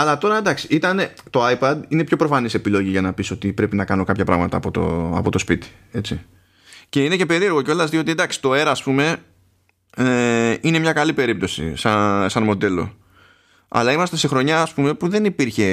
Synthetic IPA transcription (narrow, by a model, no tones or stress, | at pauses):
ɐlɐt̪o̞ɾɐd̪ɐksi̥ʔit̪ɐne̞t̪o̞ajpɐd̪inepço̞pɾo̞fɐnise̞pilo̞ʝiʝɐnɐpiso̞t̪ipɾe̞pinɐkɐno̞kɐpçɐpɾɐ̰ɣmɐt̪ɐ̰ːpo̞t̪o̰ɐ̰po̞t̪o̞spit̪i̥ | e̞t͡si | ce̞ine̞ce̞pe̞ɾieoɣo̞ceo̞lɐzðiot̪id̪ɐksi̥t̪o̞e̞ɾɐːspume̞ | eine̞mɲɐkɐlipe̞ɾip̚t̪o̞sḭsɐsɐnmo̞d̪e̞lo̞̰ | ɐ̰lɐimɐst̪ese̞xɾo̞ɲɐːspume̞puðe̞nipiɾçe̞